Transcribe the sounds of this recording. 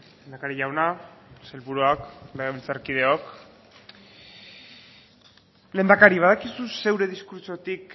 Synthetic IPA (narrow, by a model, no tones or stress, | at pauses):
lend̪akaɾiʝawnaselβuɾuakleɣeβilt͡saɾkið̞e̞ok | le̞nd̪akaɾiβ̞aðakisuse̞wɾe̞ðiskuɾt͡ʃot̪ik